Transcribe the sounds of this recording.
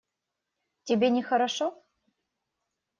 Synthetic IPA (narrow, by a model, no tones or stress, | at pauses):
tʲebʲenʲexəɾaʂo